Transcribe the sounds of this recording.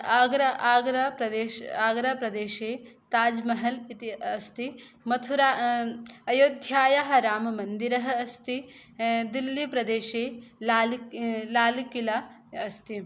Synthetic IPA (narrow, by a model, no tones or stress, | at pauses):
aːɡɾɐaːɡɾapɾɐd̪eːʃaːɡɾapɾɐd̪eːʃeː | t̪aːd͡ʒmɐɦɐlit̪iɐst̪i | mɐt̪ʰuɾa | ɐjoːd̪ʱjaːjaɦɐɾaːmɐmɐnd̪iɾɐɦɐ̆ɐst̪i | d̪ilːipɾɐd̪eːʃeːlaːllaːlikila | ɐst̪i